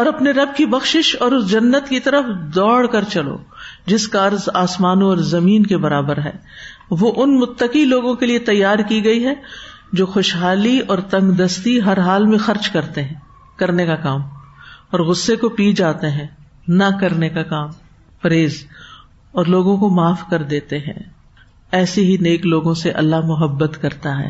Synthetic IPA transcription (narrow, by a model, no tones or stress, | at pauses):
ɔːɾɐpneɾɐb̚kibɐxʃɪʃɔːɾʊsd͡ʒɐnːət̪kit̪ɐɾəfd̪ɔːɽkɐɾt͡ʃɐlo̰ːd͡ʒɪskaɐɾzaːsmaːnõɔːɾzɐmiːnkebɐɾaːbəɾɦɛ̰ː | ʋoʔʊnmʊt̪ːəkiloːɡõkeliet̪ɐjːaːɾkiɡɐiɦɛ | d͡ʒoːxoʃɦaːliɔːɾt̪ɐ̃ŋɡd̪ɐst̪iɦɐɾɦaːlmẽxɐɾt͡ʃkɐɾt̪eɦɛ̃ː | kɐɾnekakaːmɔːɾɣʊsːekopiːd͡ʒaːt̪eɦɛ̃ː | nɐkɐɾnekakaːm | pɐɾeːz | ɔːɾloːɡõkomaːfkɐɾd̪eːt̪eɦɛ̰̃ː | ɛːseɦineːkloːɡõseʔɐ̰lːaɦmʊɦəbːət̪kɐɾt̪aɦɛ̰ː